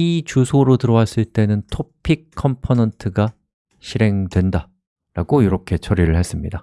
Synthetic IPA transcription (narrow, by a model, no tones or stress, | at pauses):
it͡ɕusʰoɾotɯɾʌwas͈ɯɭt͈e̞nɯntʰopʰik̚kʰːʌmpʰonentʰɯɡa | ɕʰiɾe̞ŋdwe̞nda | ɾaɡoiɾʌkʰe̞t͡ɕʰʌɾiɾɯɭhe̞s͈ɯmɲida